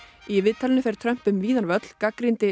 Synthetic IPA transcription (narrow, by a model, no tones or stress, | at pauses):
ivɪðt̪ʰalɪnɪfɛeɾ̥t̪ʰɾœm̥pʏmviːðaɾvœt̪l̥kakɾɪnt̪ɪ